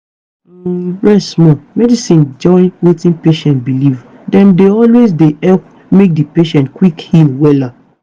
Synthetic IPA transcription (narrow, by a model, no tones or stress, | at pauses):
ɹɛsmɔmɛdisĩnd͡ʒɔ̃ɪ̃nwetĩnpeʃɛ̃nt̚biliv | dɛ̃mdeɔlwezdeɛ | mek̚dipeʃɛ̃ntkwikhilwɛla